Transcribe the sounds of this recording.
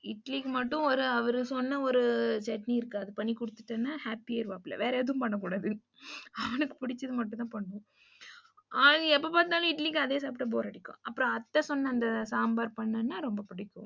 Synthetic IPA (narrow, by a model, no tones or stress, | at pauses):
ɪʈlikɯmɐʈːʊ̃ɔɾɯɐʋɐɾɯsɔnːɐɔɾɯsɛʈniɪɾɯkːaɐðɯpɐɳːikʊɽɯt̪ːɯʈːɐnːaːhaːpːiaːɪɾɯʋaːpɪlɐ̰ʋeːɾɐːðɯʊ̃mpɐɳːɐk̬uːɽaːðɯ | ɐʋɐnɯkːɯ̥pʊɽɪt͡ʃːɐðɯmɐʈːt̪ãːpɐɳːʊ̃ | ɐɛpːopaːt̪ɯnaːlɐ̃ɪʈlikːɐðeːsaːpɪʈːɐp̬oːɾɐːɽɪkːʊ̰̃ɐpːɯɾɔ̃ɐt̪ːɐsɔnːɐːnd̪ɐsaːmbaːɾpɐɳːɐnːaːɾɔmbɐpɪɽɪkːʊ̰̃